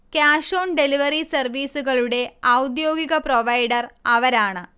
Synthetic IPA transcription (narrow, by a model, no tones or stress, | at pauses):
kjaːʂoːnɖeliʋɐɾisɐrʋiːsuɣɐɭuɽe̞ɐwd̪joːɡiɣɐproʋɐjɖɐrɐʋɐɾaːɳɨ